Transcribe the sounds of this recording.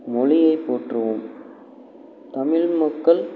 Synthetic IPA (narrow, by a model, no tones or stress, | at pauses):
mɔɭɪjɐɪpːoːʈrɐʋɯm | t̪ɐmɪɭmɐkːɐɭ